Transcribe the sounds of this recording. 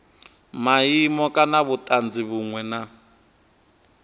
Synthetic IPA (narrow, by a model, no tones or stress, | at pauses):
maimɔkʼanaβutʼand͡ziβuŋwɛna